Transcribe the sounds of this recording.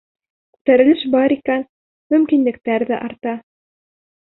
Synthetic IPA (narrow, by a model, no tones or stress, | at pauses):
ku̥t̪æɾɘ̆lɘʃbɑɾikæn | mɵ̆mkinlɘ̆k̚t̪æɾðæʔɑɾt̪ɑ